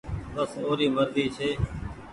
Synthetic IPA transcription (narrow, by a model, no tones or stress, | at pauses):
bəsoːɾiːməɾd̪iːt͡ʃʰeː